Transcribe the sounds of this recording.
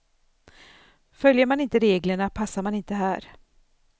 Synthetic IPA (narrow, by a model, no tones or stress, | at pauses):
fœljəɾmanɪnt̪əɾeːɡləɳapʰasːaɾmanɪnt̪əɦæːɾ